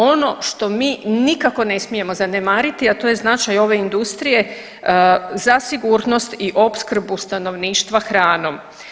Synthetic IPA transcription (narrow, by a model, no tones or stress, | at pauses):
o̞no̞ʃt̪o̞miːnikako̞ne̞smije̞mo̞zanemaːɾit̪iat̪o̞je̞znat͡ʃajo̞ʋe̞ind̪ust̪ɾije̞ | zasiɡuːɾno̞st̪iʔo̞bskr̩bust̪ano̞ʋniːʃt̪ʋaxɾaːno̞m